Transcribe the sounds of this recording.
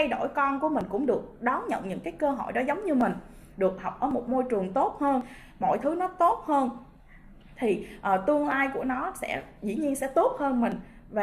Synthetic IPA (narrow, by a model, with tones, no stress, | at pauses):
a˧jɗo˧˩jkɔ˧nku˧˩əmï˨˩ŋ̟kʊ̰˧˥ŋ͡mɗɨ˨˩ək̚ɗɔ˨˦ŋ͡mɲə̰˧˨nɲɨ̰˧˥ŋkaː˨˦jkəː˧ɦo̰˧˩˨jɗɔ˨˦zə˨˦wŋ͡mɲɨ˧mï˨˩ŋ̟ | ɗɨ˨˩ək̚ha˨˩wk͡p̚ʔəː˧˩mo˨˩t̚mo˧jt͡ɕɨ˨˩əŋt̪o˦˥t̚həː˧n | mo̰˧˩˨jt̪ʰɨ˨˦nɔ˨˦t̪o˦˥t̚həː˧n | t̪ʰi˨˩ʔəː˨˩t̪ɨ˧ənlaː˧jku˧˩ənɔ˨˦sɛ̰˧˥zḭ˧˩ɲi˧ənsɛ̰˧˥t̪o˦˥t̚həː˧nmï˨˩ŋ̟ | vaː˨˩